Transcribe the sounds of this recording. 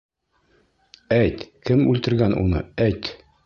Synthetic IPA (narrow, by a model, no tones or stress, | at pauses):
æjt̪kɘmʉlt̪ɘ̆ɾɡænṵnɤ̰æjt̪